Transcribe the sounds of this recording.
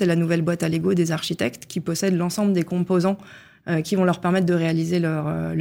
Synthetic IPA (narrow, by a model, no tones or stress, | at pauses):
ɛlanuvɛlbwat̪aleɡod̪ezaʁʃit̪ɛkt̪kʲipɔsɛd̪lɑ̃sɑ̃bləd̪ekɔ̃pozɑ̃ | økʲivɔ̃lœʁpɛʁmɛt̪̚χd̪əʁealizelœʁø̰l